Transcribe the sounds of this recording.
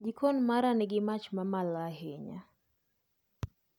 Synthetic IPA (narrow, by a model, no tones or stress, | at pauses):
d͡ʒikʰɔnmaɾanɛɡɪmat͡ʃmamalaɦeɲa̰